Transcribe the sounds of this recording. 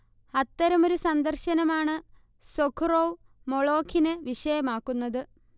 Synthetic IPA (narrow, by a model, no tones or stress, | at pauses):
ɐt̪ːɐɾɐmo̞ɾusɐnd̪ɐrɕɐnɐmaːɳɨ | sokʰroː | moɭo̞ːkʰːinɨʋiʂɐjɐmaːkːunːɐðɨ